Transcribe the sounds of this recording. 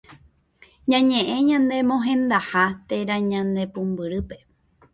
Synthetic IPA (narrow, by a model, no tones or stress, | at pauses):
ɲãɲẽ̞ʔẽɲãnd̪e̞mõ̞ɦẽ̞nd̪ahat̪e̞ɾãɲãnd̪e̞pũmbɨɾɨpe̞